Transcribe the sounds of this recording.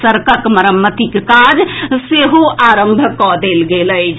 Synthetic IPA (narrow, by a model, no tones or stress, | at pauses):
səɾkəkməɾəmːət̪ikkad͡ʒseɦoʔaɾəmbʱəkɔd̪elɡelət͡ʃʰ